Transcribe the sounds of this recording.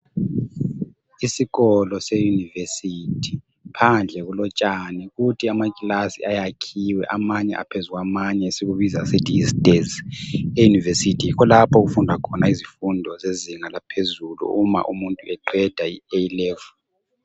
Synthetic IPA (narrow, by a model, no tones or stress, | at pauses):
isiɣɔlɔsejunivesitʰi̥ | pʰand͡ɮʱɛɣulɔt͡ʃʼaniɣutʰiamakʼilasḭajakʰiwɛ̰ʔamaɲɛ̰ʔa̰pʰezuɣamaɲɛsiɣuβizasetʰʼiisdʼezejunivesitʰijikɔlapʰɔɣufundʱakʰɔnaizifundʱɔzeziŋalapʰezulṵuma̰ʔumuntʼuɛǃɛd̥ʱaieilɛːvu